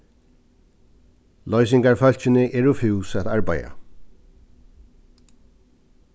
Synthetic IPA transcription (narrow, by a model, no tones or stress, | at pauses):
lɔjs̬ɪŋkaɹfœl̥t͡ɕɪnɪʔɛːɹufʉwsæt̪aɹba̰ja̰